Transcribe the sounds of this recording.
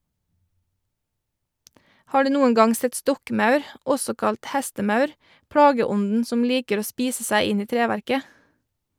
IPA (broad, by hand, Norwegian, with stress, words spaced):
ˈhɑː ˈɖʉː ˈnuːən ˈɡɑŋ ˈsɛt ˈstɔkˌmɑʉɾ ˈʔɔsɔ ˈkɑlt ˈhæstəˌmɑʉɾ ˈpɽɑːɡəˌɔnn̩ ˈsɔm ˈliːkəɾ ˈoː ˈspiːsə ˈsæɪ ˈɪn ˈiː ˈtɾeːʋæɾkə